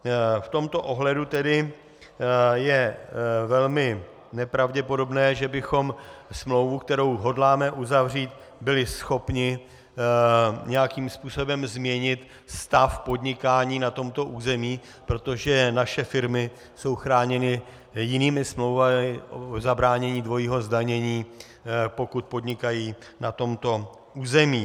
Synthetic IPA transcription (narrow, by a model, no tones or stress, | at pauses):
ft̪o̞mt̪o̞ʔo̞ɦlɛdut̪ɛdɪ | jɛvɛlmɪ | nɛpɾavɟɛpo̞do̞bnɛːʒɛbɪxo̞msmlowvuk̚t̪ɛɾo̞wɦo̞dlaːmɛʔuzavr̝iːt̪ | bɪlɪsxo̞pɲɪ | ɲɛjakiːmspuːso̞bɛmzmɲɛɲɪt̪ | st̪afpo̞dɲɪkaːɲiːnat̪o̞mt̪o̞ʔuːzɛmiː | pɾo̞t̪o̞ʒɛnaʃɛfɪɾmɪ | so̞wxɾaːɲɛnɪ | jɪniːmɪsmlowvamɪʔoozabɾaːɲɛɲiːdvo̞jiːɦo̞zdaɲɛɲiː | po̞kut̪̚po̞d̪ɲɪkajiːnat̪o̞mt̪o̞ | ʔuːzɛmiː